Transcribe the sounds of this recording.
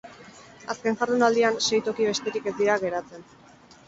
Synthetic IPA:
aske̞nxaɾðunald̪ianse̞jt̪o̞kiβ̞e̞st̪e̞ɾike̞zd̪iɾaɣe̞ɾat͡se̞n

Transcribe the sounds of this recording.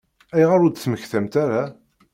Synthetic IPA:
æjʁaɾʊd̪θməçθæmt̪aɾa

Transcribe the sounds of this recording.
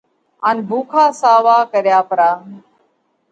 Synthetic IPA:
aːnbʱuːkʰaːsaːʋaːkəɾjaːpəɾaː

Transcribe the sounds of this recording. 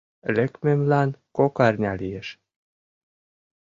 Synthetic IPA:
lʲĕkmemlɑnkokɑrʲnʲɑlijeʃ

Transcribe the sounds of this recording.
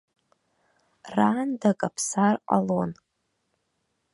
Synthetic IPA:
raːndakʼapʰsarqʼa̰lon

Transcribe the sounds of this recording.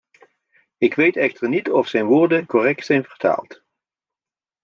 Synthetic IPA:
ɪkʋejtɛχtəɹnitɔfsɛjnʋʊːɹdəkɔrɛk̚tsɛjnvəɹtʰa̰ːlˠt

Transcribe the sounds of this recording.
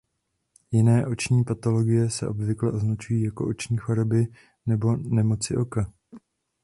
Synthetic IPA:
jɪnɛːʔo̞t͡ʃɲiːpat̪o̞lo̞ɡɪjɛsɛ̰ʔo̞bvɪklɛʔoznat͡ʃujiːjako̞̰ʔot͡ʃɲiːxo̞ɾo̞bɪ | nɛbo̞nɛmo̞t͡sɪʔo̞ka

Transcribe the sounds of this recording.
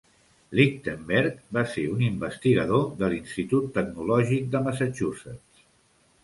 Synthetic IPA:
lik̚t̪əmbɛɾkbaseunimbəst̪iɣəðoðəlinst̪it̪ut̪ːəɡnulɔʒik̚d̪əməsat͡ʃusəts

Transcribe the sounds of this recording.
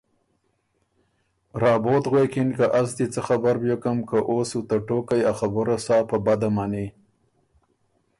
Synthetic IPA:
ɾɑːbot̪ɣwekɪnkaʔazd̪it͡səxabaɾbjokəmkəʔosut̪aʈokajaxabʊɾasɑːpəbad̪amane

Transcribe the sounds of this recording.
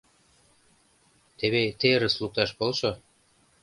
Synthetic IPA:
t̪eβet̪eɾəslˠuk̚t̪ɑʃpolʃo

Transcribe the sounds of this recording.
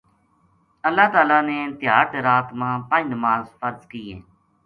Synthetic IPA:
əlːaːt̪aːlaːneːnt̪ɪɦaːɾt̪eɾaːt̪mãːpə̃d͡ʒnəmaːzfəɾzkiːḛː

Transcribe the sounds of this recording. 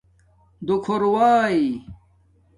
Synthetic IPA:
d̪ukʰoɾwaːi

